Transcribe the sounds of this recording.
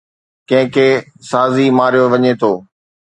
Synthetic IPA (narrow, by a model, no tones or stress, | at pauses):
kɐ̃ɦɪ̃kʰeːsaːzimaːɾijoʋɐɲet̪ʰoː